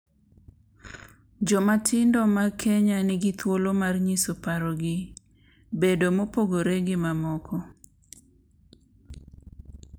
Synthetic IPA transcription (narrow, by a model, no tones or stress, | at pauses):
d͡ʒɔmatʰɪndɔmakʰeɲanɪɡɪt̪wolomarɲisopaɾɔɡɪ | bedomopoɡoɾeɡɪmamɔkʰɔ